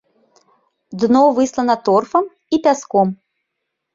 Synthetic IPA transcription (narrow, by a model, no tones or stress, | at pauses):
d̪nɔwvɨslˠɐnɐt̪ɔrfɐm | ipʲaskɔm